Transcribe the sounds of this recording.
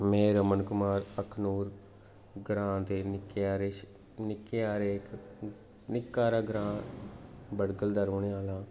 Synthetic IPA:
mɛ̃ːɾəmənkʊmaːɾəkʰnuːɾ | ɡɾãːd̪eːnɪkeaːɾeːʃ | nɪkːeːaːɾeːk | nɪkːaːɾaːɡɾãː | bəɽɡəld̪əɾoːɳeːaːlãː

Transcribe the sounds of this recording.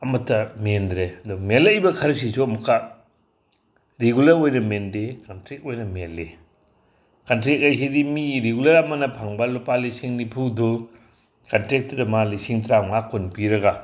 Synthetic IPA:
ɐmɐtʰːɐmendɾeɐdumelejbɐkʰɐɾs̬isomukʰa | ɾeɡulɐɾojnɐmendekantɾek̚ojnɐmele | kantɾek̚ajs̬edimiɾeɡulɐɾamanɐpʰaŋbalɔpalisiŋnipʰudɔ | kɐntɾek̚tɐdɐmalisiŋtɾamŋakʰːunpiɾɐɡa

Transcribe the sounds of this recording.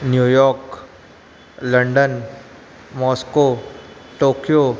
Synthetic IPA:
njuːjɔːɾk | lɐ̃ɳɖən | mɔːskoʈoːkijo

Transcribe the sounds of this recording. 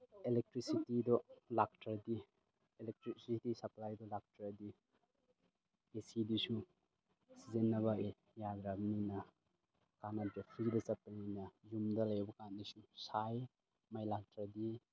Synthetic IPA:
elek̚tɾisitidɔlak̚tadi | elek̚tɾisitisɐplajdɔlak̚tɾadi | esidisu | sizenːɐβɐe | jadɾabninɐ | kanadapʰɾidɐt͡ʃɐpːɐninɐjumdɐlɐjbɐkanːisusaj | majlak̚tʰɾadi

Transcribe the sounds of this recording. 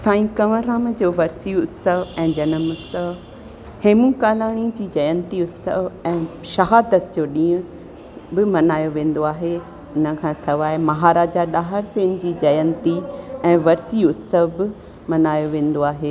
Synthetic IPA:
sãːĩkɐʋəɾaːmd͡ʑoːʋɐɾsiʊt̪səʋɛ̃ːd͡ʑɐnəmʊt̪səʋ | heːmũkaːlaːɽ̃id͡ʑiːd͡ʑɐjə̃nt̪iʊt̪sə̰ʋɛ̃ːʃɐɦaːd̪ət̪̚d͡ʑoːɗĩːʊ̃ | bɪmɐnaːjoʋẽːn̆d̪oaːɦe | ʊnə̆kʰãːsɐʋaːɪmɐɦaːɾaːd͡ʑaɗaːɦəɾsẽːñɪ̆d͡ʑiːd͡ʑɐjə̃nt̪iɛ̃ːʋɐɾsiʊt̪səʋbɪ | mɐnaːjoʋẽːn̆d̪oaːɦeː

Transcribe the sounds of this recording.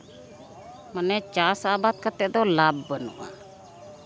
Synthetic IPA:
mənɛt͡ʃasabat̪̚kat̪ɛʔd̪ɔlabːənṵʔa̰

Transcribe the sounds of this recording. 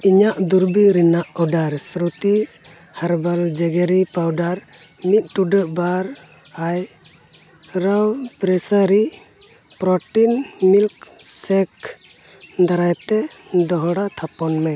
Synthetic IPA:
iɲaʔd̪uɾbiɾɛnaʔɔɖaɾsɾut̪i | haɾbald͡ʒɛɡɛɾipawɖaɾ | mit̪̚ˀʈuɖəʔbaɾ | aj | ɾawpɾɛsaɾi | pɾɔʈinmilk | sɛk | d̪aɾajt̪ɛ | d̪ɔɦɔɽat̪ʰapɔnmɛ

